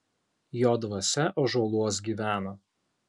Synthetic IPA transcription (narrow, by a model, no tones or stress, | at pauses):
joːd̪ʋɐsʲɛʔoːʒuɔlˠuɔs̬ɡʲiːʋʲæːnɐ